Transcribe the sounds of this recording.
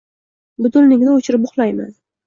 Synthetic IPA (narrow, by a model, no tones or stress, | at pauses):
bʊt̪ʊlnɪŋʲnɪot͡ʃʰɾɪp̚ʊχlˠajma̰n